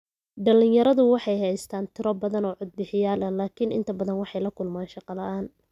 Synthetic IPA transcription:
ɖɐlɪnjɐɾɐðʊwɑħɑjɦɛjst̪ʰaːnt̪ʰɪɾɔbɐðɐnɔːʕʊd̪̚bɪħɪjaːlɐlaːkʰinʔɪ̰nt̪ʰɐbɐðɐnwɑħɑjlɐkʰʊlmaːnʃɑqɑlɐʔaːn

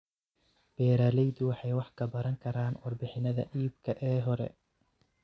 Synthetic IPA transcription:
b̥ɛːɾaːlɛjd̪ʊwɑħɑjwɑħkʰɐbɐɾɐŋkʰɐɾaːnwɑrbɪħɪnɐðɐ̰ʔiːb̚kʰɐʔɛːɦɔɾɛ̰

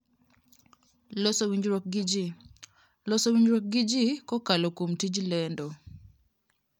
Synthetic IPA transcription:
losowiɲd͡ʒɾok̚ɡid͡ʒi | losowiɲd͡ʒɾok̚ɡɪd͡ʒikɔkalokomtid͡ʒlɛndo

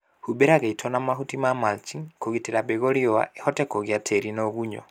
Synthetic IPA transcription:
hubeɾaɣeitʰonamaɦutimamalt͡ʃiŋkoɣitiɾabeɣoɾiowa̰ehɔtɛkoɣjatʰeɾinoɣuɲɔ̰

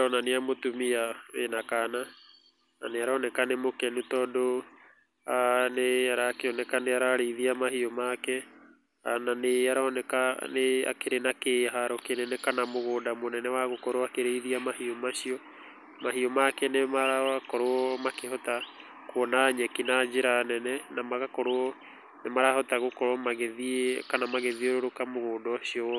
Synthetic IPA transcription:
ɔnaneamotumiaenakana | naneaɾanɛkanemokɛnutɔdo | aneaɾaːkeɔnɛkaneaɾaɾeiðiamahiɔmakɛ | ananeaɾanɛkanea̰keɾenakeɦaɾɔkenɛnɛkanamoɣoːdamonɛnɛwaɣokɔɾoakeɾeiðiamahiɔmaɕiɔ | maɦiɔmakɛnemaɾaakɔɾoɔmakehɔta | kwɔnaɲɛkinad͡ʒeɾanɛnɛnamaɣakɔɾoɔ | nemaɾahɔtaɣokɔɾɔmaɣɛðikanamaɣɛðioɾoɾokamoɣoːdɔɕiɔ

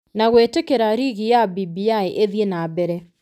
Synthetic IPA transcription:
naɣwetekeɾaɾiɣijabibiaeʔeðienabɛɾɛ

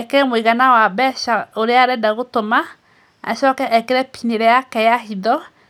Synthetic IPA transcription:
ɛkeɾɛmoiɣanawabɛʃaoɾeaɾɛdaɣotoma | a̰ʃɔːkɛʔɛkeɾɛpineɾɛjakɛjaɦiðɔ

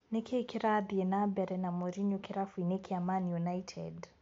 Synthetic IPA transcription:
nekʰikiɾabiɛnabɛɾɛnamɔɾiɲukiɾafuinekʰiamanjunajtʰɛ̰d

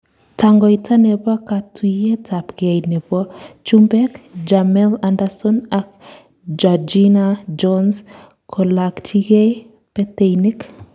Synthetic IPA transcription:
taŋɡɔitʰanebakatwijetʰapɡajnebɔt͡ʃumbɛkd͡ʒamɛlandasɔnak | d͡ʒad͡ʒinad͡ʒɔns | kʰɔlaktʰiɡe | pet̪ejnik

